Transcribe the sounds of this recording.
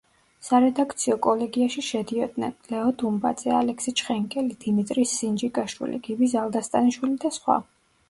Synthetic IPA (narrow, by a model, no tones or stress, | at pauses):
saɾɛd̪ak̚ʰt̪sʰiɔkʼɔlɛɡiaʃiʃɛd̪iɔd̪nɛ̰nlɛɔd̪umba̰d̪z̥ɛalɛkʰsit͡ʃʰχɛŋkʼɛlid̪̥imit̪ʼɾisːind͡ʒikʼaʃwḭlḭɡ̥ibizalˠd̪ast̪ʼaniʃwilid̪asχwa̰